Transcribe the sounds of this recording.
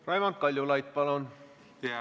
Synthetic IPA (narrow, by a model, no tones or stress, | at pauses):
rɑjʋɑnt̪̚kɑlʲjulɑjt̪̚pɑlon